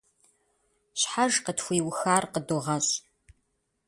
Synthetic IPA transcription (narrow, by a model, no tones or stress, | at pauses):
ɕħaʒqətxʷiːwxaːrqəduʁɐɕʼ